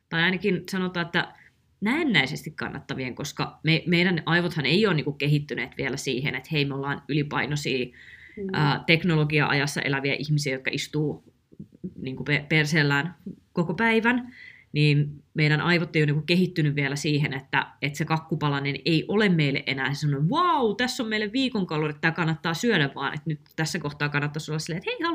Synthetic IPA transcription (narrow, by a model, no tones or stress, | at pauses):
t̪ɑiɑinɑkinsɑnot̪ˑɑːet̪ːæ | næːnːæisest̪ikkɑ̰nːɑ̰t̪ːɑʋieŋkoskɑmemeiɾænʔɑiʋot̪hɑnejoːniːŋkukkeɦit̪ːyneːt̪ʋiælæsiːɦḛnet̪heimeolːɑːnylipɑinosiː | əːt̪eknoloɡiɑ̰ʔɑ̰jɑsːɑ̰ʔelæʋiæʔihmisiːjot̪kɑ̰ʔist̪uː | niːŋkupeperseːlːæːnkokopæiʋæn | niːnmeiɾænʔɑiʋot̪ːejoniːŋkukkehit̪ːynyʋʋielæsiːɦenet̪ːæ̰et̪sekɑkːupɑlɑneneiʔolemmeilːḛʔʔenæːsesɑnoiʋɑut̪æsːommeilːeʋʋiːkoŋkɑlːonet̪ːæːkɑnːɑt̪ːɑːsyœɾæʋʋɑːnʔḛt̪nyt̪t̪æsːækoht̪ɑːkɑnːɑt̪ːɑsoølːɑsilːet̪heihɑlu